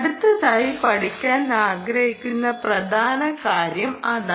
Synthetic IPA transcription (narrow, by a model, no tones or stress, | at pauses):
ɽut̪ːɐðaːjipɐɽikʲːaːnaːɡɾɐhikʲːunːɐprɐd̪ʱaːnɐkaːɾjɐmɐða